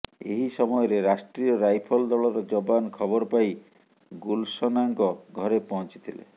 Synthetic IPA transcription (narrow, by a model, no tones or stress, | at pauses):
ḛɦisɔmɔjɔɾeɾasʈɾiɔɾajpʰɔld̪ɔɭɔɾɔd͡ʒɔbankʰɔbɔɾɔpaj | ɡulsɔnaŋkɔɡʱɔɾepɔɦɔnt͡ʃi̥t̪ʰilḛ